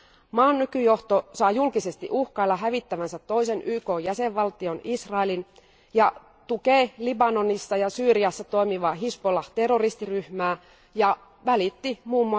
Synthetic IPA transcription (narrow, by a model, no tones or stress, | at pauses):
mɑːnːykyjo̞ht̪osɑjjulkise̞st̪ḭʔuhkɑilːɑɦæʋit̪ːæʋænsæt̪ːo̞ise̞nʔyːko̞ːjæseʋʋɑlt̪io̞nisrɑelin | jɑ | t̪ukeːlibɑno̞nisːɑjɑsyːɾiɑsːɑt̪o̞imiʋɑːɦispolɑt̪e̞rorist̪iryhmæː | jɑ | ʋælit̪ːimuːmːuɑ